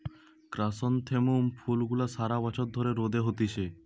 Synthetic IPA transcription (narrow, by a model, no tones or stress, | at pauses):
kɾasɔnt̪ʰemumpʰulɡulasaɾabat͡ʃʰɔt̪d̪ʱoɾeɾod̪eɦot̪it͡ɕʰe